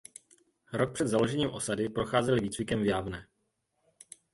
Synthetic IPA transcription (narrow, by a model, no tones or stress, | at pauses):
ɾo̞k̚pr̥ɛd̪zalo̞ʒɛɲiːmʔo̞sadɪpɾo̞xaːzɛlɪviːt͡svɪkɛmvjaːvnɛ